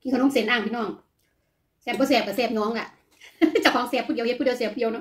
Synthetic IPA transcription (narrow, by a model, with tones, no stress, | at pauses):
ki˧˨kn˧˥˨se˨˦nʔaː˧˩mt̪ʰnɔː˧˩ŋ | sɛː˧˩bɔː˧˦sɛː˧˩p̚ka˧˩sɛː˧˩p̚no˧˦ə˨ŋla˧˩ | t͡ɕa˧˩wkʰɔː˨˧˦ŋsɛː˧˩p̚ʰːu˧˩˨i˨˦he˧t̚u˧˥˨i˧˦˧seː˧˩pʰːu˧˨˧nɔ˧˦